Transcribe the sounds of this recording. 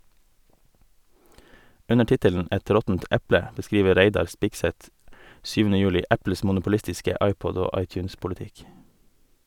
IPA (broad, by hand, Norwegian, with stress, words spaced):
ˈʉnə ˈʈɪtəln̩ ˈɛt ˈɾɔtn̩t ˈʔæplə bəˈskɾiːʋə ˈɾæɪdɑɾ ˈspɪɡsɛt ˈsyːʋn̩ə ˈjʉːlɪ ˈʔæpl̩s mʊnʊpʊˈlɪstɪskə ˈʔɑɪˌpɔd ˈoː ˈʔɑɪˌtjʉːnspʊlɪˌtɪk